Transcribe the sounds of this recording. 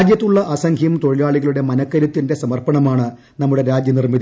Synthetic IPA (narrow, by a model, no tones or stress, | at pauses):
d͡ʑjɐt̪ːuɭːɐʔɐsɐŋkʰjɐmt̪o̞ɻijaːɭiɣɐɭuɽe̞mɐnɐkːɐɾɐt̪ːinde̞sɐmɐrpɐɳɐmaːɳɨ | nɐmːuɽe̞ɾaːd͡ʑjɐnirmið